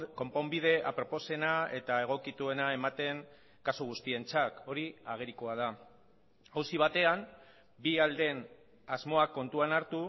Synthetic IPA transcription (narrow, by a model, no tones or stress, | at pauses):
ko̞mpo̞mbið̞e̞ʔapɾo̞po̞se̞nae̞t̪ae̞ɣ̞o̞kit̪ue̞nae̞mat̪e̞ŋ | kasoɣ̞ust̪ie̞nt͡sako̞ɾiaɣ̞e̞ɾikoað̞a | awsiβ̞at̪e̞am | biald̪e̞n | azmo̞akːo̞nt̪uanaɾt̪u